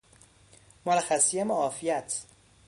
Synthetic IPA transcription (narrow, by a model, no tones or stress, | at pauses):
moɾæxæsijæmoɒːfijæt̪ʰ